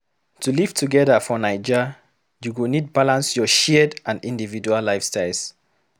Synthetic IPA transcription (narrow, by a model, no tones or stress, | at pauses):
tuliv̥tʰuɡɛðəfɔnaɪd͡ʒə | juɡonid̚balãnsjɔʃɛdʔãndĩndivid͡ʒualːaɪfstaɪls